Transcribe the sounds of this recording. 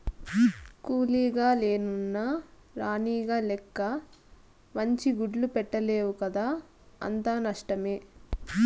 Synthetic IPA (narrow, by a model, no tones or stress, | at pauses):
kuːliːɡaːleːnunːaː | ɾaːniːɡaːlɛkːɐ | mɐɲt͡ʃiɡuɖlupɛʈːɐleːwukɐd̪aː | ɐ̰nt̪aːnɐʂʈɐmeː